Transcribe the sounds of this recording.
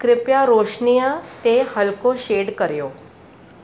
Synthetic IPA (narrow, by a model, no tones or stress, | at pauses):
kɾɪpjaɾoʂnijət̪ehəlkoɕeːɖkəɾjo